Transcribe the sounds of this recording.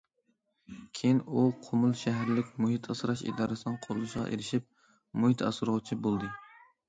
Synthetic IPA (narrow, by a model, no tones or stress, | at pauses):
kʲʰejinuqʰʊmʊlˠʃæɦæɾlɪkʲmʊhit̪ʰɑsɾɑʃḭd̪ɑɾɨsɨnɨŋqʰoɾlɨʃʁɑ̰ʔḛɾɪʃip̚ | mʊhit̪ʰɑ̰sɾʊʁt͡ʃʰibolˠd̪ɨ